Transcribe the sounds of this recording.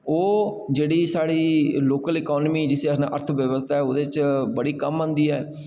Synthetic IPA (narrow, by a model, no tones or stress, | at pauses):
oː | d͡ʒeːɽiːsaːɽiːloːkəlɪkɔːnmiːd͡ʒɪseəna̰ːʔəɾt̪ʰʋjəʋəst̪ʰaːɛːod̪eːt͡ʃbəɽiːkəmə̃ːnd̪iːɛː